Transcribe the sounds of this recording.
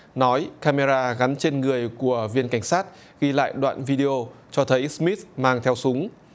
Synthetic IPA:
nɔ˨˦jkaː˧me˧zaː˧ɣa˨˦nt͡ɕe˧nŋɨ˨˩əjku˧˩əvi˧ənka˧˩ŋ̟saː˦˥t̚ | ɣi˧la̰ː˧˨jɗwa̰ː˧˨nvi˧ɗi˧ʔo˧t͡ɕɔ˧t̪ʰə˨˦jsmi˦˥t̪̚maː˧ŋt̪ʰɛ˧wsʊ˨˦ŋ͡m

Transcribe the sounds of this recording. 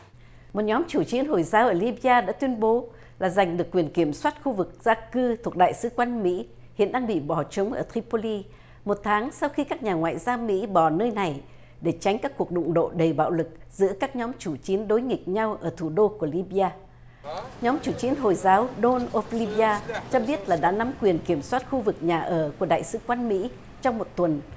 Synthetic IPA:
mo˨˩t̚ɲɔ˨˦mt͡ɕu˧˩t͡ɕi˨˦ənɦo˨˩jzaː˨˦wʔəː˧˩li˧ɓi˧aː˧ɗa̰ː˧˥t̪wi˧ənɓo˨˦ | laː˨˩za˨˩jŋ̟ɗɨ˨˩əkːwi˨˩ənki˧˩əmswaː˦˥t̚xu˧vɨ˨˩k̚z̥aː˧kɨ˧t̪ʰu˨˩ək̚ɗa̰ː˧˨jsɨ̰˧˦kwa˧nmḭ˧˥ | hḭ˧˨nɗaː˧ŋɓḭ˧˨ɓɔ˧˩t͡ɕə˨˦wŋ͡mʔəː˧˩t̪ʰɾi˧po˧li˧ | mo˨˩t̚t̪ʰaː˨˦ŋsa˧wxi˧kaː˦˥k̚ɲaː˨˩ŋwa̰ː˧˨jzaː˧wmḭ˧˥ɓɔ˧˩nəː˧jna˨˩j | ɗe˧˩t͡ɕa˨˦ŋ̟kaː˦˥kːu˨˩ək̚ɗʊ̰˧˨ŋ͡mɗo̰˧˨ɗə˨˩jɓa̰ː˧˨wlɨ˨˩k̚zɨ̰˧˥əkaː˦˥k̚ɲɔ˨˦mt͡ɕu˧˩t͡ɕi˨˦ənɗo˨˦jŋï˨˩k̚ɲa˧wʔəː˧˩t̪ʰu˧˩ɗo˧ku˧˩əli˧ɓi˧aː˧ | ɲɔ˨˦mt͡ɕu˧˩t͡ɕi˨˦ənɦo˨˩jzaː˨˦wɗo˧nʔo˧fli˧ɓi˧aː˧t͡ɕɔ˧ɓi˦˥ət̚laː˨˩ɗa̰ː˧˥na˨˦mkwi˨˩ənki˧˩əmswaː˦˥t̚xu˧vɨ˨˩k̚ɲaː˨˩ʔəː˧˩ku˧˩ə˩ɗa̰ː˧˨jsɨ˨˦kwa˧nmḭ˧˥ | t͡ɕɔ˧wŋ͡mmo˨˩t̚t̪wə˨˩n

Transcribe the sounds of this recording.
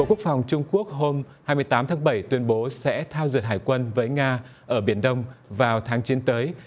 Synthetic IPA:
o̰˧˨ku˦˥ək̚fa˨˩wŋ͡mt͡ɕʊ˧ŋ͡mku˦˥ək̚ɦo˧m | haː˧jmɨ˧əjt̪aː˨˦mt̪ʰaː˨˦ŋɓə˧˩jt̪wi˧ənɓo˨˦sɛ̰˧˥t̪ʰaː˧wzɨ˨˩əɦaː˧˨˩jkwə˧nvəː˨˦jŋaː˧ʔəː˧˩ɓi˧˩ənɗə˧wŋ͡mvaː˨˩wt̪ʰaː˨˦ŋt͡ɕi˨˦ənt̪əː˨˦j

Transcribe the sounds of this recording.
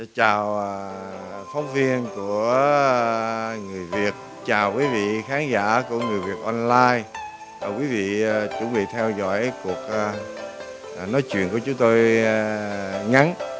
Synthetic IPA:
a˧˦t͡ɕaː˨˩wa˨˩ | fa˨˦wŋ͡mvi˧ənku˧˩ə | ŋɨ˨˩əjvi˨˩ət̚ | t͡ɕaː˨˩wkwi˨˦vḭ˧˨xaː˨˦nza̰ː˧˥ku˧˩əŋɨ˨˩əjvi˨˩ət̚ʔɔ˧nlaː˧j | aː˨˩kwi˨˦vḭ˧˨˩t͡ɕʊ̰˧˩ŋ͡mɓḭ˧˨t̪ʰɛ˧wzɔ̰˧˥jku˨˩ək̚ː | nɔ˨˦jt͡ɕwḭ˧˨nku˧˩ət͡ɕʊ˨˦ŋ͡mt̪o˧j | ŋa˨˦n

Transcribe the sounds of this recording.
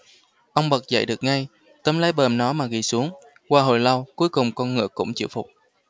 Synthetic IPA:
ʔə˧wŋ͡mɓə˨˩k̚zə̰˧˨jɗɨ˨˩ək̚ŋa˧j | t̪ə˨˦mlaː˨˦jɓəː˨˩mnɔ˨˦maː˨˩ɣi˨˩su˨˦əŋ | kwaː˧ɦo̰˧˩jlə˧wku˨˦jkʊ˨˩ŋ͡mkɔ˧nŋɨ̰˧˨əkʊ̰˧˥ŋ͡mt͡ɕḭ˧˨wfʊ˨˩k͡p̚

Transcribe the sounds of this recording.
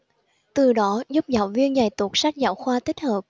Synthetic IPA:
t̪ɨ˨˩ɗɔ˨˦zʊ˦˥p̚za̰ː˧˨˦wvi˧ənza˨˩jt̪u˨˩k̚sa˦˥jk̚za̰ː˧˦wxwaː˧t̪ï˦˥k̟̚həː˨˩p̚

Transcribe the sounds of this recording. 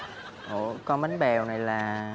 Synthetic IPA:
ʔo˧˩kɔ˨˧˦mə˨˦nɓɛ˨˩wna˨˩jlaː˨˩

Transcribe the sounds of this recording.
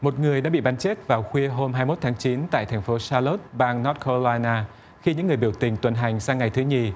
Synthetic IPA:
mo˨˩t̚ŋɨ˨˩əjɗa̰ː˧˥ɓḭ˧˨ɓa˨˦nt͡ɕe˦˥t̚vaː˨˩wxwi˧əɦo˧mɦaː˧jmo˦˥t̚t̪ʰaː˨˦ŋt͡ɕi˨˦nt̪a̰ː˧˨jt̪ʰɛ˨˩ŋ̟fo˨˦saː˧lo˦˥t̚ɓaː˧ŋnɔ˦˥t̚kʰo˧laː˧jnaː˧ | xi˧ɲɨ̰˧˥ŋːɨ˨˩əjɓi˧˩əwt̪ï˨˩ŋ̟t̪wə˨˩nɦa˨˩jŋ̟saː˧ŋa˨˩jt̪ʰɨ˨˦ɲi˨˩

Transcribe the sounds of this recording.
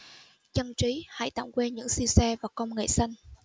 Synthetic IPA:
t͡ɕə˧nt͡ɕi˨˦ha̰˧˥jt̪a̰˧˨˩wkwe˧ɲɨ̰˧˥ŋsi˧wsɛ˧vaː˨˩kə˧wŋ͡mŋḛ˧˨sa˧jŋ̟

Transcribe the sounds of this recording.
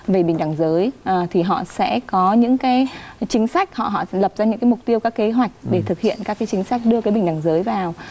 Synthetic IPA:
ve˨˩ɓï˨˩ŋ̟ɗa˨˩ŋzəː˨˦jʔt̪ʰi˨˩ɦɔ̰˧˨sɛ̰˧˥kɔ˨˦ɲɨ̰˧˥ŋkaː˨˦jt͡ɕï˨˦ŋ̟sa˦˥jk̟̚hɔ̰˧˨ɦɔ̰˧˨lə˨˩p̚zaː˧ɲɨ̰˧˥ŋkaː˨˦jmʊ˨˩k͡p̚t̪i˧əwkaː˦˥kːe˨˦ɦwa˨˩jk̟̚ɗe˧˩t̪ʰɨ˨˩k̚hḭ˧˨ənkaː˦˥kːjt͡ɕï˨˦ŋ̟sa˦˥jk̟̚ɗɨ˧əkaː˨˦jɓï˨˩ŋ̟ɗa˨˩ŋzəː˨˦jvaː˨˩w

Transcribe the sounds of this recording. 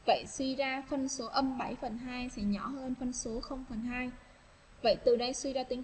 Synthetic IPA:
və̰˧˨jswi˧zaː˧fə˧nso˨˦ʔə˧mɓa˧˩jfə˨˩nɦaː˧jsɛ̰˧˥ɲɔ˧˩həː˧nfə˧nso˨˦xə˧wŋ͡mfə˨˩nɦaː˧j | və̰˧˨jt̪ɨ˨˩ɗə˧jswi˧zaː˧t̪i˨˦

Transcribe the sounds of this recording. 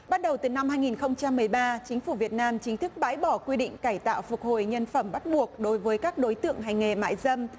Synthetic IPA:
ɓaː˧n̚ɗə˨˩wt̪ɨ˨˩na˧mhaː˧jŋi˨˩nxə˧wŋ͡mt͡ɕa˧mːɨ˨˩əjɓaː˧t͡ɕi˨˦ŋ̟fu˧˩vi˨˩ət̚naː˧mt͡ɕï˨˦ŋ̟t̪ʰɨ˦˥k̚ɓa̰ː˧˥jɓɔ˧˩kwi˧ɗḭ̈˧˨ŋ̟kaː˧˩jt̪a̰ː˧˨wfʊ˨˩k̚ho̰˧˨jɲə˧nfə˧˩mɓa˦˥t̚ɓu˨˩ək̚ɗo˨˦jvəː˨˦jkaː˦˥k̚ɗo˨˦jt̪ɨ̰˧˨əŋɦa˨˩jŋ̟ŋe˨˩ma̰ː˧˨jzə˧m

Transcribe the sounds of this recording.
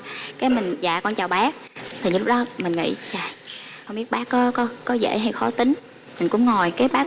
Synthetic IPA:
kaː˨˦jmï˨˩ŋ̟za̰ː˧˨kɔ˧nt͡ɕaː˨˩wɓaː˦˥k̚t̪ʰi˨˩ɲɨ˧˦lʊ˦˥k̚ɗɔ˨˦mï˨˩ŋ̟ŋḭ˧˨t͡ɕaː˨˩ho˧˨ŋ͡mɓi˦˥ət̚ɓaː˦˥kkɔ˨˦kɔ˨˦kɔ˨˦zḛ˧˥ɦa˧˩jxɔ˨˦t̪ï˨˦ŋ̟ | mi˨˩ŋ̟kʊ̰˧˥ŋ͡mŋo˨˩jkaː˨˦jɓaː˨˦˥

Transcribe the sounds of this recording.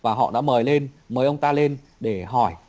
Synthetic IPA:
vaː˨˩ɦɔ̰˧˨ɗa̰ː˧˥məː˨˦jle˧n | məː˨˦jʔə˧wŋ͡mt̪aː˧le˧n | ɗe˧˩ɦɔ˧˩j

